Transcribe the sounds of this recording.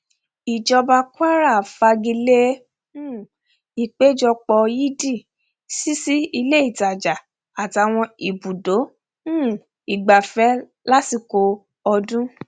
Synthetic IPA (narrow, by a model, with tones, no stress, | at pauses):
i˨d͡ʒɔ˧ba˧kwa˦ɾa˦˨fa˧ɡi˧le˦˨ | i˨k͡pe˨˦d͡ʒɔ˧k͡pɔ˧ji˦di˦˨ | si˦si˦i˧le˦i˦˨ta˨d͡ʒa˨ | a˨ti˨˧a˧w̃ɔ̃˧i˨bu˨dõ˨˦ | i˨ɡ͡ba˨fɛ˨˦ | la˦ti˧ko˧ | ɔ˧dũ˦